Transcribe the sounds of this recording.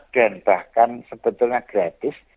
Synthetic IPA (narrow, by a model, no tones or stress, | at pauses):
ɖ̥a̤nb̥ahkansəb̥ə̤t̪ʊlɲaɡ̥ɾat̪ɪs